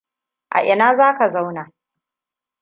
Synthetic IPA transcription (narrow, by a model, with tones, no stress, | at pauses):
ʔa̰˨ʔɪ˨naː˦zaː˦ka˨za˦wna˨